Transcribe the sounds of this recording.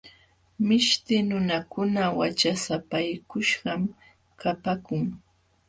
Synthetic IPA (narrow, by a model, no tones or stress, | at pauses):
mɪʃt̪ɪnʊnakʊnawat͡ʃasapajkʊʃɢɑm | kapakʊŋ